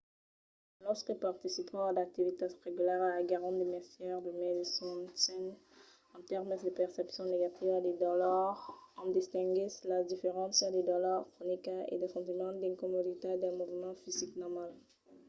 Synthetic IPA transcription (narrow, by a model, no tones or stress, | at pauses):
lɔʁskəpaʁt̪isipʰɑ̃d̪ak̚t̪ivit̪eʁeɡylɛʁalaɡaʁɑ̃d̪imɛsjɛʁd̪əmed̪sɔ̃sɛ̃ŋ | ɑ̃t̪ɛʁmd̪əpɛʁsɛpsjɔ̃neɡat̪ivad̪ed̪ɔlɔʁɑ̃d̪ist̪ɛ̃ŋɡislad̪ifeʁɑ̃sd̪ed̪ɔlɔʁkχɔnikaḛd̪əkɔ̃t̪imɑ̃d̪ɛ̃ŋkɔmod̪it̪ed̪ɛ̃muvmɑ̃fiziknɔʁmal